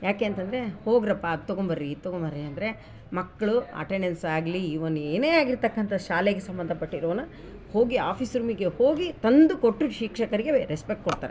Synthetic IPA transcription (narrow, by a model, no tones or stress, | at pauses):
jaːke̞ːnt̪ɐnd̪ɐɾe̞ho̞ːɡɾɐpːat̪ːoɡombɐɾːit̪ːoɡombɐɾːiɐnd̪ɐɾe̞ | mɐkːɐɭuɐ̰ʈeɳɖensaːɡliːʋɐnueːne̞ːaːɡiɾt̪ɐkːɐnt̪ʰɐʃaːleɡesɐmbɐnd̪ʱɐpɐʈːiɾɐʋɐnːɐ | ho̞ːɡiaːpʰisɾuːmiɡe̞hoːɡit̪ɐnd̪ukoʈːuʃiːkʂɐkɐɾiɡe̞ɾespek̚ʈ̚koɽt̪aːɾe